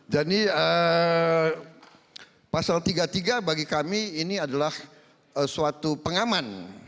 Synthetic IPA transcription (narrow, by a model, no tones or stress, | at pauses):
d͡ʒadiə | pasalt̪iɡat̪iɡabaɡikamiːniadalah | əsuat̪upəŋaman